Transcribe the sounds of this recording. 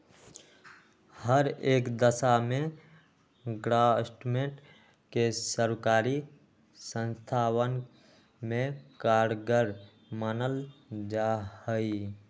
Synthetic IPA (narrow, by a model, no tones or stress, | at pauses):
həɾeːkd̪əsamẽ | ɡɾasʈumẽɳʈ | kesəɾkaːɾi | sə̃nst̪ʰaːwən | mẽkaːɽɡəɾ | mənəld͡ʒahəi